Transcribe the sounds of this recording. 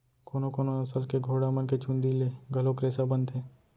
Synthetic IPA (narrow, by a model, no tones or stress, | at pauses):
koːnõkoːnoɐsəlkeɡʱoːɽamənket͡ʃũːnd̪ileɡʱɐlõkɾeːsabə̃nd̪ɦɛː